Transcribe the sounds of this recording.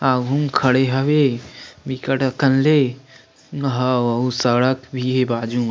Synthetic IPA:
aːɡʱumkʰɐɽeɦɐʋebikəʈɐkɐnle | ɦaʋɐɦusɐɽəkbʱiɦebaːd͡ʒu

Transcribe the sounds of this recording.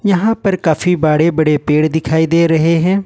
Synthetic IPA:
jɐɦãːpəɾkaːfʰiːbaːɽeːbəɽeːpeːɽd̪ɪkʰaːiːd̪eːɾəɦeːɦɛ̃ː

